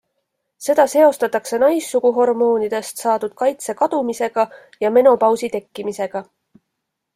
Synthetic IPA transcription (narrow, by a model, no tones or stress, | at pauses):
se̞d̪̥ɑse̞o̞st̪ɑt̪ːˑɑkse̞nɑjsːuɡuɦo̞rmo̞ːnid̪̥e̞st̪sɑːd̪ud̪̥̚kɑjt̪se̞kɑd̪̥umise̞ɡ̥ɑ | jɑme̞nopɑwsit̪e̞kːimise̞ɡ̥ɑ